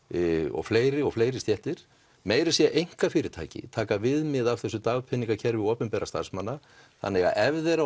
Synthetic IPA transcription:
ɔ̰ɣfleːjɾɪɔɣfleːjɾɪst̪jɛht̪ɪɾ̥ | meːjɾasjɛʔejŋ̥kafɪːɾɪt̪ʰa̰ːjcɪ̰t̪ʰaːkavɪðmɪðav̥θɛsːʏt̪aɣpʰɪnːiŋkacʰɛɾvɪɔːpʏnpɛɾast̪a̰r̥smanːa | θa̰nːɛɣa̰ʔɛvðɛɾa

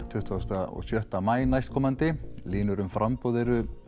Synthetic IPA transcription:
t̪ʰʏht̪vawst̪aɔ̰sjœht̪amaːjnajst̪kʰɔːmant̪ɪliːnʏɾʏmfɾʔampɔːðɛɾʏ

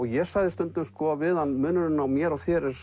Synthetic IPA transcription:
ɔɣjɛ̥sajðɪst̪œnt̪ʏmskɔːavɪðhanmʏːnʏnɪnawmjɛɾawθjɛɾɛɾ

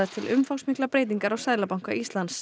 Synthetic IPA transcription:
ɪ̥t̪ʰɪlʔʏmfawsmiklapɾeːjt̪iŋkaɾawsaːjlapawŋ̥kaʔist̪lans

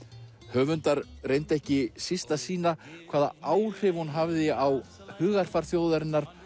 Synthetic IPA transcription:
hœːvʏnt̪aɾrejnt̪ɛhcɪsist̪asiːnakʰv̥aːða̰ʔaːwr̥ɪvhunɦavðɪaw | hʏːɣaɾ̥faɾ̥θjoːwðaɾɪnːaɾ̥

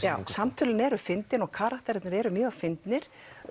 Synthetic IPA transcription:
jaːwsamt̪ʰʏːlɪnɛɾʏfɪnt̪ɪnɔɣkʰaːɾakt̪ɛɾɛt̪nɪɾɛːɾʏmjœːɣafɪnt̪nɪɾ̥

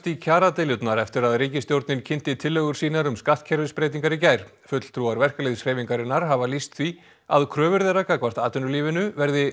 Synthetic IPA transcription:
t̪icʰaːɾat̪eljʏt̪naɾɛft̪ɪɾaðriːcɪst̪jowɾt̪nɪncʰɪn̥t̪ɪt̪ʰɪlːœɣʏɾ̥siːnaɾʏmskaht̪̚cʰɛɾvɪspɾeːjt̪̬iŋkaɾɪcaːjɾ̥ | fʏt̪l̥t̪ʰɾuaɾvɛr̥kalejðsreːjviŋkaɾɪnːaɾ̥ɦavalist̪θi | a̰ðkʰɾœːvʏɾðeɾakakʰvḁt̪aːt̪ʏnʏliːvɪnʏvɛɾðɪ

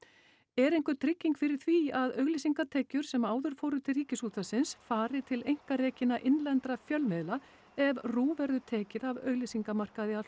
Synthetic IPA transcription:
ɛɾejŋkʏt̪ʰɾɪcːiŋkfɪɾɪɾ̥θviaðœɥɣlisiŋkat̪ʰɛːcʏɾ̥sɛmaːwðʏɾ̥foːwɾʏt̪ʰɪlriːcɪsuːt̪asɪnsfaːɾɪt̪ʰɪlejŋ̥kaɾeːcɪnaʔɪnlɛnt̪ɾafjœlmɛðla | ɛvruːvɛɾðʏt̪ʰɛːcɪðavœɣlisiŋkamar̥kaðɪal

